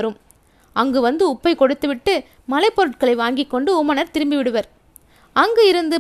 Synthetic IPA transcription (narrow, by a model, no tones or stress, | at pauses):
ɐɾɯm | ʔɐŋɡɯʋɐnd̪ɯʊpːɐɪkɔɽɯt̪ːɯʋɪʈːɯ | mɐlɐɪpːɔɾɯʈ̚kɐɭɐɪʋaːŋɡɪkːɔɳɖɯʊmɐnɐɾt̪ɪɾɯmbiʋɪɽɯʋɐɾ | ɐŋɡɯɪɾɯnd̪ɯ